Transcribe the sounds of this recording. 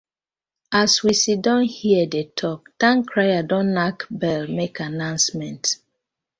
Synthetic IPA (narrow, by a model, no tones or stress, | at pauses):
aswisidɔ̃nhiɛdetʰɔp̚tãŋkɹajadɔ̃nlakbɛlmekʰanãʊ̃nsmɛ̃nt